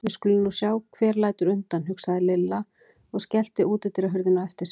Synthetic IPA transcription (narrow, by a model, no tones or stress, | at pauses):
vɪ̥skɔlʏnːuːsjaːwkʰvɛːɾlaːjt̪ʏɾʏnt̪anhɦʏksaðɪlɪlːa | ɔɣscɛl̥t̪ɪʔuːt̪ɛht̪ɪɾaɦʏɾðɪnawɛft̪ɪɾ